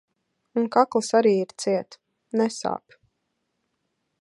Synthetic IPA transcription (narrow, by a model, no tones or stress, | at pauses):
unkaklˠɨsaɾiːiɾt̪siɛt̪ | nɛsa̰ːp